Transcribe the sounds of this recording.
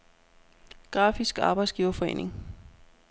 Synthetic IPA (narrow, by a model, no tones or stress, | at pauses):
ɡ̥ʁɑ̰̈ːfisɡ̥ɑ̈ːb̥ɑ̈ɪdsɡ̥iːʊɐfɒ̽e̝̰ːnʔe̝ŋ